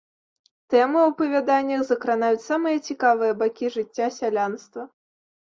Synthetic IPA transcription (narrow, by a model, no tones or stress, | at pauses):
t̪ɛmɨwɐpɐvʲad̪anʲːɐxzɐkɾanajut͡sʲsamɨjɐt͡sʲikavɨjɐbakʲiʐɨt͡sʲːasʲalʲanst̪vɐ